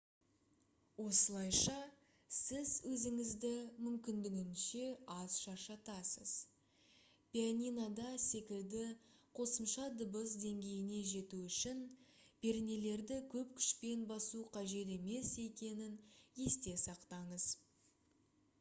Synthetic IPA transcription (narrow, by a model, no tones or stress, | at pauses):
wo̞səlˠɑjʃɑ | sɪzwɵzɪŋɪzd̪ɪmʏmkʲɪnd̪ɪɡʲɪnʃe̞ɑzʃɑʃɑt̪ɑsəz̥ | pijanʲinad̪ɑse̞kʲɪld̪ɪqʰo̞səmʃɑd̪ʊbəzd̪e̞ŋɡʲe̞jɪne̞ʒe̞t̪uʏʃɪn | b̥e̞ɾɪne̞le̞ɾd̪ɪkʲʰɵpkʲʰʏ̥ʃpe̞nbɑsuqʰɑʒe̞t̪̬e̞me̞se̞kʲe̞nɪnje̞st̪e̞sɑqt̪ɑɴəz̥